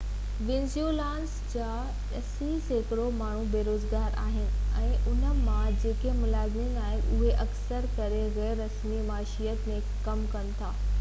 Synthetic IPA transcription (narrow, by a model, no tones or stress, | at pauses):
ʋɪ̃nzjolãːns | d͡ʑaː | ɛsizeːkɪɾomaːɳ̤ũbeːɾoːzɡaːɾa̰ːɦɪnɪ̆ɛ̃ːʔʊnə̆mãd͡ʑeːkemʊlaːzɪninaːɦɪnɪ̰ʊɦeʔɐksəɾkɐɾeɣɛːɾːɐsmimaːʃijət̪mẽ | kɐmkɐnɪ̆t̪ʰaː